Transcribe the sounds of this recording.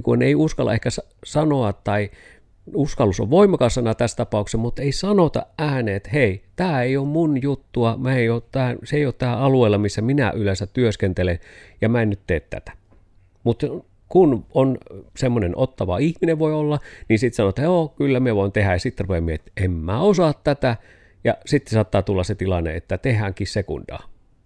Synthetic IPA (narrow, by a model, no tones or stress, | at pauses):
kuneiuskɑlːɑ̰ehkæs | sɑnoɑt̪tɑi | uskɑlːuso̰ʋʋoˑimːˑɑkɑsɑnɑt̪æst̪ɑpɑˑuksemmut̪eisɑnot̪ɑ̰ʔæːneet̪heˑit̪æːeioːmmunjut̪ːuɑmæeioːtt̪æːseˑijoːˑt̪t̪æːɑlueˑilɑmisːæminæ̰ʔylesæt̪t̪yøskent̪elenjɑmæˑenːyt̪t̪eːt̪t̪æ̰t̪æ̥ | mut̪ | kunonsemːonenʔot̪ːɑʋɑ̰ihmineʋʋoiolːɑninsit̪sɑnot̪ːɑjoːkylːæmieʋoˑint̪ehæjjɑsit̪ːrupemieet̪ʔemːæːosɑt̪t̪æt̪æ | jɑsit̪ːsɑːt̪ːɑːt̪ulːɑset̪ilɑnːḛet̪ːæt̪ehˑæŋkissekṵndɑ̰ː